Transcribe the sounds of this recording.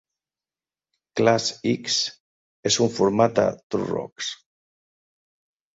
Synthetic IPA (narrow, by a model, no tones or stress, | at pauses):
klasiks | esuɱfuɾmat̪̚da̰t̪urɔ̰ks